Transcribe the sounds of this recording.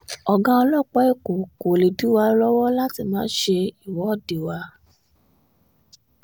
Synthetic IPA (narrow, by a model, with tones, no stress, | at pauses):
ɔ˨ɡã˧ɔ˧lɔ˦˨k͡pɔ˦i˦˨ko˨ko˨le˨du˨˦wa˧lɔ˦wɔ˦la˦ti˧mãː˦ʃe˧i˦˨wɔ˨˦ɔ˦˨de˨wa˧˦